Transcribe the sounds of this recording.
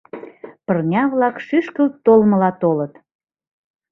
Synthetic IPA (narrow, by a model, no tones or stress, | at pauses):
pərnʲɑβlɑkʃyʃkəlt̪olmə̆lɑt̪olət̪